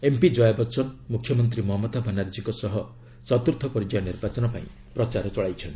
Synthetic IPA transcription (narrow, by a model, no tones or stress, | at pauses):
empid͡ʒɔjabɔt͡ʃɔnmukʰjɔmɔnt̪̬ɾimɔɦɔmɔt̪abʱanaɾd͡ʒikɔsɔɦɔ | t͡ʃɔt̪uɾt̪ʰɔpɔɾid͡ʒɔjɔniɾbat͡ʃɔnɔpa̰ĩ | pɾɔt͡ʃaɾɔt͡ʃɔɭajt͡ʃʰɔn